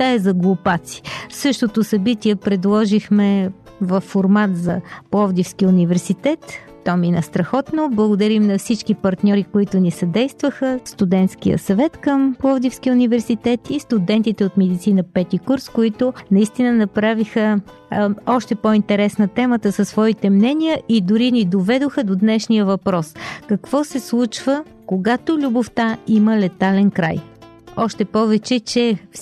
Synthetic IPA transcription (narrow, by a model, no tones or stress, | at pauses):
tt̪aɛzɐɡlˠʊpat̪si̥sɤʃt̪ot̪ʊsɐbit̪ʲiɛpɾɛd̪lˠɔʒixmɛ | vɐfːoɾmat̪zɐplˠɔvd̪ifskiʊnivɛɾsit̪ɛt̪ː | ɔminɐst̪ɾɐxɔt̪noblˠəɡʊd̪ɐɾimnɐfsit͡ʃkipɐɾt̪nʲɔɾikoit̪ʊnisɐd̪ɛjst̪vəxəst̪ud̪ɛnt̪sk̟ijə̰sɐvɛt̪kəmplˠɔvd̪ifskiunivɛɾsit̪ɛt̪ist̪ʊd̪ɛnt̪it̪ɛot̪mɛd̪it̪sinəpɛt̪ikuɾskoit̪ʊnɐist̪inənɐpɾavixə | ɔʃt̪ɛpoint̪ɛɾɛsnət̪ɛmət̪əsəsvɔit̪ɛmnɛnijəʔid̪ʊɾinid̪ovɛd̪oxəd̪od̪nɛʃnijəvɐpɾɔskɐkv̥ɔsɛslˠut͡ʃvə | koɡat̪olʲuboft̪aiməlɛt̪alɛnkɾa̰j | ɔʃt̪ɛpɔvɛt͡ʃɛt͡ʃɛf